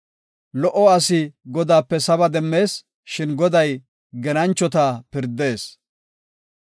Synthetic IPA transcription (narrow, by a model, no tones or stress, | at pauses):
lɔʔɔɐsɪɡɔd̪aːpːɛsɐbɐd̪ɛmːe̞ːs | ʃɪnɡɔd̪ɐj | ɡɛnɐnt͡ʃːɔt̪aːpɪɾd̪e̞ːs